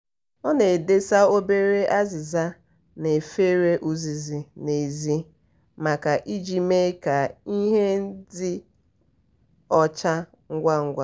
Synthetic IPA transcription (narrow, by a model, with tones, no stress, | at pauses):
ɔ˦ne˨de˦sa˦o˦be˦ɾe˦ʔa˦zɪ˨za˦ | ne˨fe˦ɾe˦ʔu˦zi˨zi˨ne˨zi˦ | ma˨ka˨ʔi˦d͡ʒi˨me˦ka˨i˦ɦe˦n̩˦dɪ˦ | ɔ˦t͡ʃa˦ | ŋ̩˦ɡʷa˦ŋ̩˦ɡʷa˦